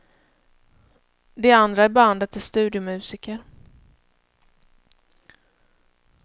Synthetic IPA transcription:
d̪ɛand̪ɾaæɾbɛand̪at̪ʰɪst̪ʉ̟ːd̪ɪʊmʉ̟ːsɪːkəɾ

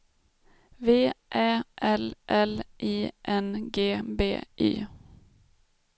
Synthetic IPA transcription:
veːʔæːʔɛlʔɛlʔiːʔɛnɡeːbḛːʔḭː

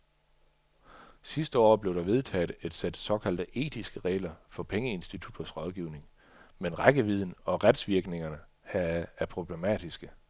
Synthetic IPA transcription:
sisd̥ə̰ɒ̰ːb̥le̝ʊd̥ɑ̈ʋe̝ð̞ˠt͡sʰɛ̰ːd̥e̝d̥sed̥sɒ̽kʰæl̰d̥əʔe̝̰ːd̥isɡ̥əʁɛ̰ːlɐfɒ̽pʰeŋəe̝nsd̥it͡sʰud̥ɐsʁɒ̽ð̞ˠɡ̥iːʊne̝ŋ | menʁaɡ̥əʋið̞ˠn̩ɒ̽ʁad̥sʋiɐɡ̥ne̝ŋɐnə | hææɐpʰʁo̝b̥le̝mɛ̰ːd̥isɡ̥ə

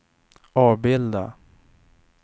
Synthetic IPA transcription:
ɑːvbɪld̪a

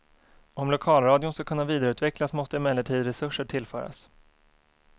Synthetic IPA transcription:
ɔmlʊkʰɑːlɾɑːd̪jʊnskakʰɵnːaviːd̪aɾʉ̟t̪vɛklasmɔst̪əɪmɛləʈʰiːd̪ɾɛsɵʂːəʈʰɪlfœ̰ːɾa̰s

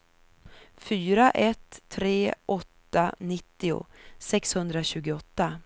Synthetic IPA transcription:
fyːɾaʔɛt̪ʰːɾeːʔɔt̪ːanɪt̪ːɪʊ̰sɛkshɵnd̪ɾaɕʉ̟ːɡʊɔt̪ːa

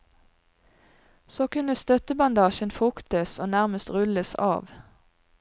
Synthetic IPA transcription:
soːkʉnəst̪œt̪əbɑnd̪ɑːʃənfʊkt̪əsoːnæʁməst̪ʁʉləsɑ̰ːʋ

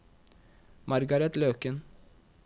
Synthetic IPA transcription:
mɑɾɡɑɾɛt̪løːkən

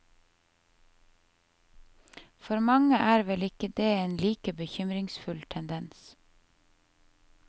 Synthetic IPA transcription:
fɔɾmɑŋəʔæːɾʋɛlɪkəd̪eːeːnliːkəbəçʏmɾɪŋsfʉlt̪ʰɛnd̪ɛns

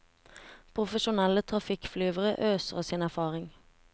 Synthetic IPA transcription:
pʰʁʊfəʃʊnɛlət̪ʰʁɑfɪkflyːʋəʁə̰ʔøːsəʁəsiːnæʁfɑːʁɪŋ

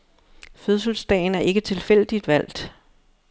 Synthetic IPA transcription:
føðˠsəlsd̥ɛ̰ːɪnæɐʔe̝ɡ̥ət͡sʰe̝lfel̰d̥id̥ʋæl̰d̥

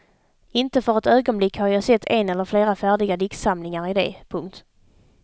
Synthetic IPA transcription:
ɪnt̪əfœɾɛt̪øːɡɔnblɪkːhaɾjasɛt̪ʰːɛnɛlːəɾfleːɾafæːɖɪɡad̪ɪkt̪samlɪŋaɾɪd̪ḛːpʰɵŋk̚t̪

